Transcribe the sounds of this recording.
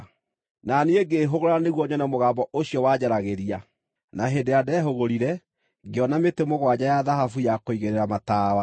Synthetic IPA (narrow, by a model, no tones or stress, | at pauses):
nanieɡeɦoɣoɾaneɣwɔɲɔnɛmoɣaːmbɔʔoɕjɔwad͡ʑaɾaɣeɾia | naɦendejadɛːɦoɣoɾiɾɛ | ɡeɔnametemoɣwad͡ʑajaðaɦafujakoiɣeɾeɾamataːwa